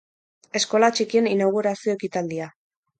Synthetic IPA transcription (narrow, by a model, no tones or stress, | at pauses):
e̞sko̞lat͡ʃikie̞ninaɣ̞uɾasio̞ekit̪ald̪ia